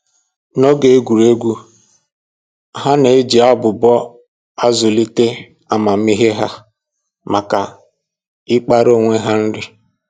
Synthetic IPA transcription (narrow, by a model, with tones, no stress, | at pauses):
nɔ˦ɡe˨e˦ɡʷu˨ɾe˦ɡʷu˦ | ɦa˦ne˨e˦d͡ʒi˨a˦bʊ˨bɔ˦ | a˦zʊ˨li˦te˦ | a˨ma˨m̩˦i˦ɦe˦ɦa˦ | ma˨ka˨ | ɪ˦k͡pa˦ɾo˦˨ŋʷe˦ɦa˦n̩˦ɾɪ˦